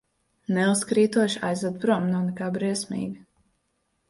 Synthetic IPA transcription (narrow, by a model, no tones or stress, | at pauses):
nɛuskɾiːt̪uɔʃa̰jzad̪̚pɾuɔmnawnɛkaːbɾiɛsmḭːɡi